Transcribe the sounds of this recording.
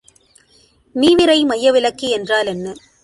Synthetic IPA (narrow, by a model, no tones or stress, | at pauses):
miːʋɪɾɐɪmɐjːɐʋɪlɐkːiɛndraːlɛnːɯ